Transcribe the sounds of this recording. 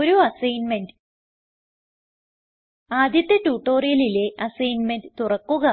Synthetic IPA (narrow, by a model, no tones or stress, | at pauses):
oɾuɐsɐjnmendɨ | aːd̪jɐt̪ːɐtːuːʈːo̞ːrijɐlile̞ʔɐsɐjnmenɖɨt̪urɐkːuɣɐ